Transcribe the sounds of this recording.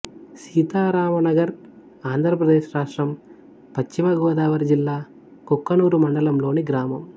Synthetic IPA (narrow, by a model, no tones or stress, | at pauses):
siːt̪aːɾaːʋɐnɐɡɐɾ | aːnd̪ʱɾɐpɾɐd̪eːʃɾaːʂʈɾɐm | pɐt͡ʃːimɐɡɔːɐd̪aːʋɐɾd͡ʒilːaː | kokːɐnuːɾumɐɳɖɐlɐmlo̞ːniɡɾaːmɐm